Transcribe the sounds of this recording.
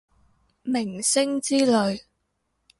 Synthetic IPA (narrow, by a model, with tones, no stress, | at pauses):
mɪ˨˩ŋsɪ˥ŋt͡siː˥lɵ˨˧ɥ